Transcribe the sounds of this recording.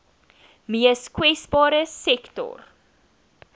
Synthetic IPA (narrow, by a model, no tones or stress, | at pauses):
miəskwɛsbɑːɾəsɛktɔ̰r